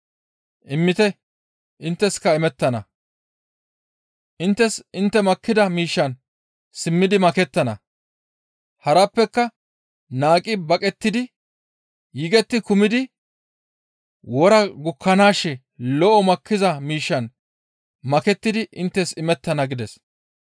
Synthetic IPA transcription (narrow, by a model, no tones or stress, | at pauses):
ʔɪmːɪt̪ɛ | ʔɪnt̪ːɛskɐɪmɛt̪ːɐnɐ̰ | ʔɪnt̪ːɛsɪnt̪ːɛmɐkːɪd̪ɐmiːʃːɐn | sɪmːɪd̪ɪmɐkɛt̪ːɐnɐ̰ | hɐɾɐpːɛkːɐ | naːkʼɪbɐkʼɛt̪ːɪd̪ɪ | jɪɡɛt̪ːɪkʊmɪd̪ɪ | wɔɾɐɡʊkʰːɐnaːʃːɛ | lɔʔɔmɐkʰːɪzɐmiːʃːɐn | mɐkɛt̪ːɪd̪ɪʔɪnt̪ːɛsɪmɛt̪ːɐnɐɡɪd̪ɛs